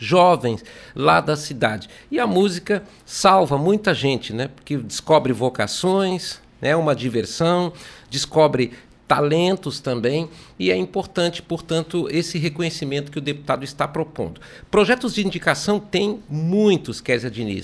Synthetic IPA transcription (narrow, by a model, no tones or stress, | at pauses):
ʒɔvẽj̃slad̪ɐsid̪ad͡ʒɪɪɐmuzikɐ | sawvɐmũj̃t̪ɐʒẽnt͡ʃɪnɛpoɾkɪd͡ʒɪskɔbɾɪvoka̰sõj̃s | nɛũmɐd͡ʒiveɾsɐ̃w̃d͡ʒɪskɔbɾɪ | t̪alẽnt̪ʊst̪ɐ̃mbẽj̃ɪɛĩpoɾt̪ɐ̃nt͡ʃɪ̥poɾt̪ɐ̃nt̪ʊesɪɦekõɲesimẽnt̪ʊ̥kɪʊd̪epu̥t̪ad̪ʊɪst̪apɾopõ̰nd̪ʊ | pɾoʒɛt̪ʊzd͡ʒɪiĩnd͡ʒikasɐ̃w̃t̪ẽj̃mũj̃t̪ʊskɛɾzɐd͡ʒinḭs